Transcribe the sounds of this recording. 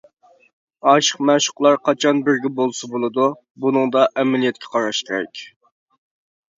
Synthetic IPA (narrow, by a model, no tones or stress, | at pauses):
ɑʃə̥qmɛʃʊ̥qlˠɑɾqʰɑt͡ʃʰɑnbɪɾɡʲɛbolˠsɨbolˠɨd̪u | bunɨŋd̪ɑʔɛmɛlijɛt̪̚kʲʰɛ̥qʰɑɾɑʃkʲʰeɾɛ̰kʲ